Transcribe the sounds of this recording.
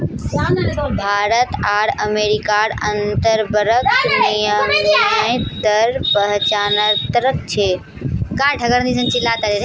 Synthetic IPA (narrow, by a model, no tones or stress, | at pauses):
bʱaːɾət̪aːɾəmeːɾikaːɽənt̪əɾbəɾəknijəmaĩt̪əɾpəɦt͡ʃaːnəɾt̪əɾət̪t͡ʃʰe | kãːʈʰəɡəɾnd̪isənt͡ʃɪlat̪əɾeɾe